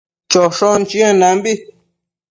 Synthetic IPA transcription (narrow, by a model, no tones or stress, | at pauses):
t͡ʃoʂont͡ʃĩãnãmbi